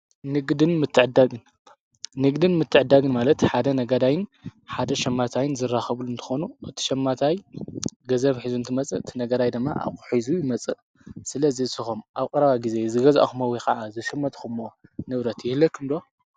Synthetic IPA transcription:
nɨɡd̪ɨnmɨt̪ʰːɨʕɨd̪aɡɨn | nɨɡd̪ɨnmɨt̪ʰːɨʕɨd̪ːaɡɨnmalɐt̪ħad̪ɐnɐɡɐd̪ajɪnħad̪ɐʃɐmːat̪ʰajɪnzɨrːaxɐβluɨnt̪ʰɨ̥xonuʔɨt̪ʰi̥ʃɐmːat̪ʰajɡɐzɐβħizuɨnt̪ʰɨmɐt͡sʼɨɨt̪ʰinɐɡɐd̪ajd̪ɨmːa̰ʔa̰βkʼu̥ħizujɪmɐt͡sʼɨ | sɨlɐzisɨxomʔaβkʼɨɾɐβajɡize̞zɨɡɐza̰ʔaxumɐwikɐʕazɨʃɐmːɐt̪kʰumːonɨβɾɐt̪jɪhlɐkʰɨmd̪o̞

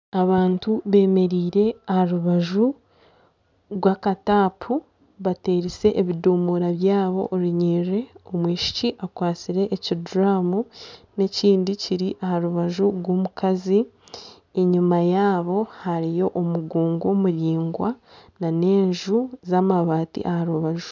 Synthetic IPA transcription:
aβaːntuβe̞ːme̞ɾiːɾe̞ahaɾuβaʒu | ɾɡwakataːpʰu | βate̞ːɾise̞ʔːβiduːmuɾaβjaːβo̞̰ʔoɾiɲiːre̞omwiːʃi̥ciʔakwaːt͡siɾe̞ʔːciduɾaːmune̞ciːndiciɾiʔahaɾuβaʒuɾɡwomukazi | eɲumajaːβo̞haɾijo̞ʔomuɡuːŋɡomuɾiːŋɡwanane̞ːɲʒuzamaβaːtḭʔahaɾuβaʒu

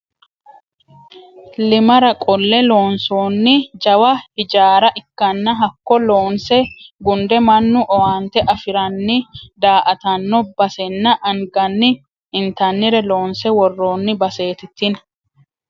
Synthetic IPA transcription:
lɪmɐɾɐkʼɔlːɛlo̞ːnsoːnːɪd͡ʒɐwɐhɪd͡ʒaːɾɐʔɪkːɐnːɐɦɐkːɔloːnsɛɡʊnd̪ɛmɐnːʊʔɔwaːnt̪ɛʔɐfɪɾɐnːɪd̪aːʔɐt̪ɐnːɔbɐsɛnːɐʔɐŋɡɐnːɪ | ɪnt̪ɐnːɪɾɛlo̞ːnsɛwɔrːo̞ːnːɪbɐse̞ːt̪ɪt̪ːɪnɐ

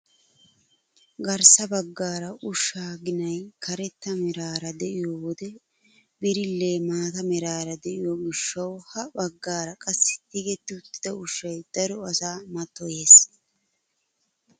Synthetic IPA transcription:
ɡɐɾsɐbɐɡːaːɾɐʔʊʃːaːɡɪnɐjkʰɐɾɛt̪ːɐmɛɾaːɾɐd̪ɛʔɪjowɔd̪ɛ | bɪɾɪlːe̞ːmaːt̪ɐmɛɾaːɾɐd̪ɛʔɪjoːɡɪʃːɐwhɐbɐɡːaːɾɐkʼɐsːɪ̥t̪iɡɛt̪ːɪʊt̪ːɪ̥d̪ɐʊʃːɐjd̪̥ɐɾɔɐsaːmɐt̪ːɔje̞ːs

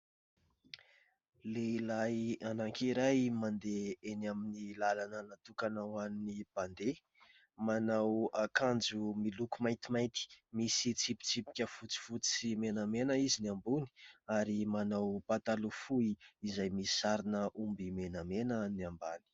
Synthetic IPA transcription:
leilajanaŋkiɾajmand̪eenaminilalanənat̪ukanawannib̥and̪e | manawakand͡zumilukumajt̪imajt̪i̥misit͡sipi̥t͡sipi̥kʲəfut͡si̥fut͡simenamenəizinambuni̥aɾimanawpat̪alufuiizajmiisaɾinəʔumbimenamenəniambani̥

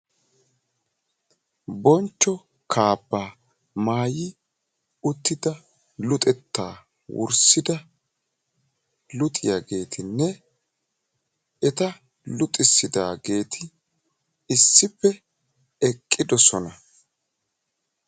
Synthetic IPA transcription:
bɔnt͡ʃːɔ | kʰaːbːaː | maːjɪ | ʊt̪ːɪd̪ɐ | lʊt̪ʼɛt̪ːa̰ː | wʊ̰ɾsɪd̪ɐ | lʊt̪ʼɪjaɡe̞ːt̪ʰɪnːɛ | ɛt̪ɐ | lʊt̪ʼɪsːɪd̪aːɡe̞ːt̪ʰɪ | ɪsːɪpːɛ | ɛkʼːɪd̪ɔsɔnɐ

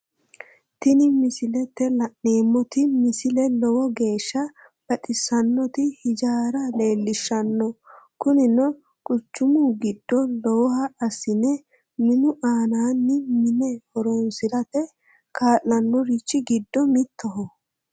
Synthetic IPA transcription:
t̪ɪnɪmɪsɪlɛt̪ːɛlɐʔne̞ːmːɔt̪ɪmɪsɪlɛlɔwɔɡe̞ːʃːɐ | b̥ɐtʼɪsɐnːɔt̪ɪhɪd͡ʒaːɾɐle̞ːlːɪʃːɐnːɔkʊnɪnɔ | kʼʊt͡ʃːʊmuːɡɪd̪ːɔlɔwɔhɐːsɪnɛ | mɪnʊʔaːnaːnːɪmɪnɛhɔɾoːnsɪɾɐt̪ɛ | kaːlːɐnːɔɾɪt͡ʃːɪɡɪd̪ːɔmɪt̪ʰːɔɦɔ

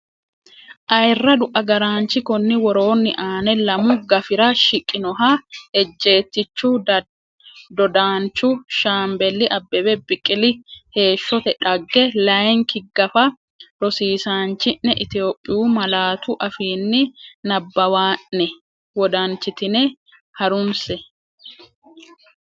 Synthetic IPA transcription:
ʔɐjrːɐd̪ʊʔɐɡɐɾaːnt͡ʃːɪkɔnːɪwɔɾo̞ːnːɪʔaːnɛlɐmʊɡɐfɪɾɐʃɪkʼːɪnɔɦahɛd͡ʒːe̞ːt̪ːɪt͡ʃːuː | d̪ɔd̪aːnt͡ʃːʊʃaːmbɛlːɪʔɐbːɛbɛbɪkʼːɪlɪhe̞ːʃːɔt̪ɛᶑɐɡːɛlɐjŋkɪɡɐfɐ | ɾɔsiːsaːnt͡ʃːɪnːɛʔɪt̪ɪjo̞ːpʼːɪjuːmɐlaːt̪ʊʔɐfiːnːɪnɐbːɐwaːnːɛ | wɔd̪aːnt͡ʃːɪt̪ɪnɛ | hɐɾʊnsɛ

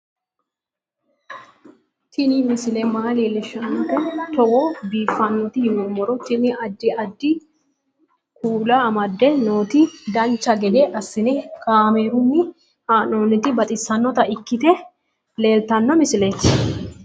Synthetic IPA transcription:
t̪ʰɪnɪmɪsɪlɛmaːleːlɪʃːɐnːɔt̪ɔt̪ɔwɔbiːfːɐnːɔt̪ɪhɪnɔmɔɾɔt̪ɪnɪʔɐd̪ːɪʔɐd̪ːɪ | kʰuːlamɐd̪ːɛno̞ːt̪ɪd̪ɐnt͡ʃːɐɡɛd̪eʔɐsːɪnɛkaːmeɾʊmːɪ | haːnoːnːɪt̪ɪbɐt̪ʼɪsːɐnːɔt̪ɐʔɪkːɪt̪ɛ | le̞ːlt̪ɐnːɔmɪsɪlet̪ː

